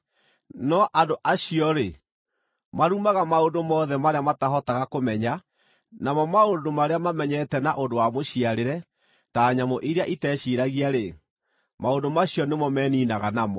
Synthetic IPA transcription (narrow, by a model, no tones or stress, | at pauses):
nɔʔandoʔaɕiɔɾe | maɾumaɣamaondomɔːðɛmaɾeamataɦɔtaɣakomɛɲa | namɔmaondomaɾeamamɛɲɛtɛnaʔondowamoɕiaɾeɾɛ | taɲamɔʔiɾeaʔitɛɕiɾaɣiaɾe | maondomaɕijɔnemɔmɛːniːnaɣanamɔ